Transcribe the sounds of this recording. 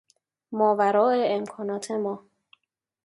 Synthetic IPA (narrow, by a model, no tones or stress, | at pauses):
mɒːvæɾɒːeemkʰɒːnɒːt̪ʰemɒː